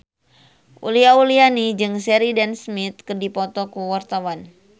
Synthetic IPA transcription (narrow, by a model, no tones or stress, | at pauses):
ʔṵliaulianid͡ʒɨŋsɛɾidansmit̪̚kɨrdipɔt̪ɔkuwart̪awan